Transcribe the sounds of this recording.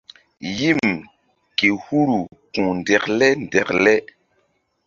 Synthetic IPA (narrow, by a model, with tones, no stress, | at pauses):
ji˦m | ke˨hu˦ɾu˨kũ˨n˨dɛ˨klɛ˦n˨dɛ˨klɛ˦